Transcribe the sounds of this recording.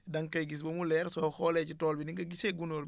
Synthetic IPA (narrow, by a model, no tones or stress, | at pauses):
dɐŋkɐjɡis̬bɐmulɛːɾsɔxɔːlɛcitɔːlbiniŋɡɐɡiseɡunoːɾ